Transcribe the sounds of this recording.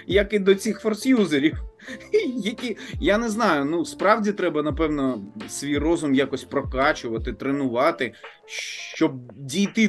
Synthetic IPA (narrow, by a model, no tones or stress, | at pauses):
jɐkɪd̪ɔt͡sʲixfɔrsjuzeɾʲiw | jɐkʲijanɛznɑjʊnuspɾɑwdʲit̪ɾɛbɐnɐpɛwnɔsʋʲijrɔzʊmjakɔsʲpɾɔkɑt͡ʃʊʋɐt̪ɪt̪ɾenʊʋɑt̪ɪ | ʃt͡ʃɔb̚dʲijt̪ɪ